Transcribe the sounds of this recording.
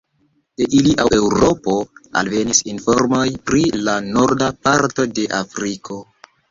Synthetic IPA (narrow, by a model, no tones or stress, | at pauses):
d̥eʔiliʔaʔe̞wɾo̞po̞a̰lve̞nisinfo̞ɾmo̞jpɾilano̞ɾdapaɾto̞de̞ʔafɾikʰo̞